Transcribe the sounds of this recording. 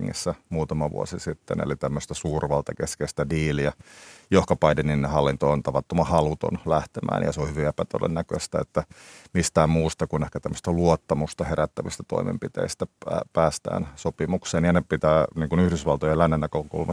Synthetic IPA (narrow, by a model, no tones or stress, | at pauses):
ŋːḭsːæmuːt̪ɑmɑʋṵo̰sisit̪ːḛnḛlit̪æmːøst̪æsuːrʋɑlt̪ɑkeskest̪ædiːliɑjohkɑpɑidenːinːehɑlːint̪ont̪ɑʋɑt̪ːomɑhɑlut̪o̰nlæht̪emʔæ̰ːnjɑ̰seohyʋiepæt̪o̰dḛnːækø̰st̪æet̪ːæmist̪æːmmuːst̪ɑkunehkæt̪æmːø̥st̪æluot̪ːɑmust̪ɑheɾæt̪ːæʋist̪æt̪o̰imḛmpit̪ḛist̪ææpæːst̪æ̰ːnsopimukseːnjɑnepit̪æːniːŋkunyhdysʋɑlt̪ojelænːenːækøkṵlmɑ